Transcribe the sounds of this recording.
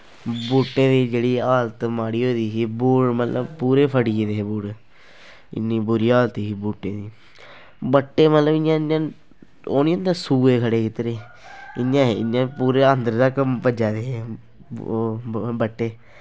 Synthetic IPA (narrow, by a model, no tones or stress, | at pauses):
buːʈːẽːd̪iːd͡ʒeːɽiːaːlt̪maːɽiːoːd̪iːsiːbuːɽmət̪ləbpuːɾeːpʰəɽieːd̪eːeːbuːɽ | ɪ̰nːiːbʊɾiːaːlt̪iːsiːbuːʈːeːd̪iː | bəʈːeːmət̪ləbɪjãːãː | oːniːə̃nd̪ãsuːeːkʰəɽeːkɪt̪ɾeː | ɪɲjãːɦeɪ̰ãːpuːɾeːənd̪əɾd̪aːkəmpəd͡ʒaːd̪eːɦe | bəʈːeː